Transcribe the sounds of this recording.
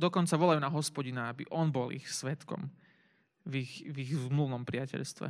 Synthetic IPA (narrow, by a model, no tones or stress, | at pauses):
d̪ɔkɔnt͡saʋɔlajunaɦɔspɔɟinaabḭʔɔnbɔlḭxsʋɛt̪kɔ̰m | vixviɣzmluʋnɔmpɾɪacɛ̰ʎst̪ʋɛ̰